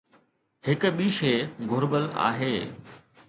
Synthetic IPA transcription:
hɪkɓiːʃeːɡʱʊɾbəla̰ːɦeː

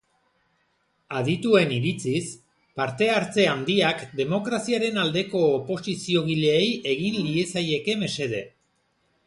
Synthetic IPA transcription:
aðit̪ue̞niɾit͡sis | paɾt̪e̞aɾt͡se̞and̪iakd̪e̞mo̞kɾasiaɾe̞nald̪e̞ko̞ːpo̞sisio̞ɣ̞iʎeːje̞ɣ̞inlie̞saje̞ke̞me̞se̞ðe̞

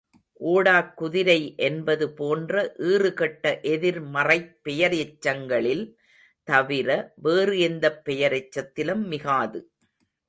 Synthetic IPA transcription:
ʔoːɽaːkːʊðɪɾɐɪʔɛnbɐðɯpoːndrɐʔiːrɯkɐʈːɐʔɛðɪɾmɐrɐɪpːɛjɐɾɛt͡ʃːɐŋɡɐɭɪl | t̪ɐʋɪɾɐʋeːrɯɛnd̪ɐpːɛjɐɾɛt͡ʃːɐt̪ːɪlɯmːɪɣaːðɯ

